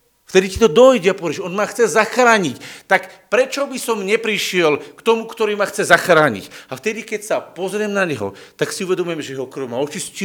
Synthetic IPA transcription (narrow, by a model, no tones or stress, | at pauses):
ft̪ɛd̪icit̪ɔd̪ɔjɟɛapɔʋɛɾɛʃɔnmaxt͡sɛzaxɾaːɲict̪akpɾɛt͡ʃɔbisɔmɲɛpɾiʃɪɛlkt̪ɔmukt̪ɔɾiːmaxt͡sɛzaxɾaːɲḭcaft̪ɛd̪ikɛcsapɔzɾɪɛmnaɲɛɦɔ̰ | t̪aksiuʋɛd̪ɔmujɛmʒɛjɛɦɔkr̩wmaɔt͡ʃisci